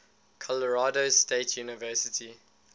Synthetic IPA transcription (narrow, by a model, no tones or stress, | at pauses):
kʰɔləɹaːdosteɪtʰjuːnɪvɜːsɪtʰi